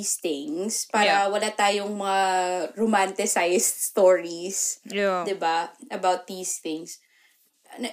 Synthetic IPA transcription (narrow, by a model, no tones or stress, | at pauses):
st̪ɪŋspaːɾɐwɐlat̪aːjoŋmɐŋaɾomant̪ɪsajst̪̚st̪oɹisd̪ɪbaʔɐbawt̪̚d̪iːst̪ɪŋs | n